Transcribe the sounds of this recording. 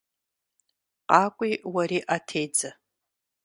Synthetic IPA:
qʼakʷʼiwaɾiʔatʰejd͡za

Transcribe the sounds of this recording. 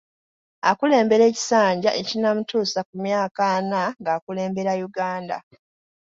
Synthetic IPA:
akule̞ːmbe̞ɾe̞ːci̥saːɲɟaʔe̞cinamutuːsakumjaːkanaŋɡaːkule̞ːmbe̞ɾajuɡaːnda̰

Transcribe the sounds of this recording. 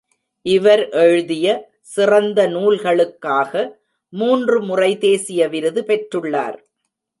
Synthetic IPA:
ʔɪʋɐɾʔɛɻɯðɪjɐ | sɪrɐnd̪ɐnuːlɣɐɭɯkːaːɣɐ | muːndrɯmʊrɐɪt̪eːsɪjɐʋɪɾɯðɯpɛʈrɯɭːa̰ːɾ

